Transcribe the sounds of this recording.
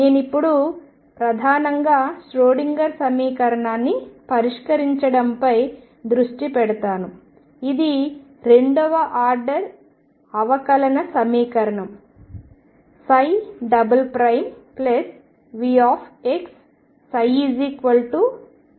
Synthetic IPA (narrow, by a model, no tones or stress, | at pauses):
neːnipːuɽu | pɾɐd̪ʱaːnɐŋɡaːsʈɾoːɽiŋɡɐɾsɐmiːkɐɾɐɳaːnːipɐɾiʂkɐɾiɲt͡ʃɐɽɐmpɐj | d̪ɾuʂʈipɛɽɐt̪aːnu | id̪i | ɾeɳɖɔʋɐʔaːɾɖɐɾ | ɐʋɐkɐlɐnɐsɐmiːkɐɾɐɳɐm | sɐjɖɐbɐlpɾɐjmplɐs | ʋiːaːpʰeksː | ɐjid͡ʒiːkʋɐlʈu